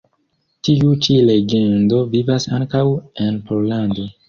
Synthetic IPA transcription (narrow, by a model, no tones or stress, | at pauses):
tiut͡ʃile̞ɡe̞ndo̞vivasa̰ŋkawe̞npolando̞